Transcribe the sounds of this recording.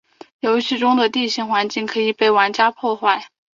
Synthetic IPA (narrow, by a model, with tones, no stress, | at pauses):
jo˧˥ʊɕy˥˩ʈ͡ʂʊ˥ŋd̪ə˨t̪i˥˧ɕi˥˩ŋxwa˧˥nt͡ɕi˥˩ŋkʰɤ˧˥i˨˩pe˥˩ɪwa˧˥nt͡ɕja˥pʰwɔ˥˧xwa˥˩ɪ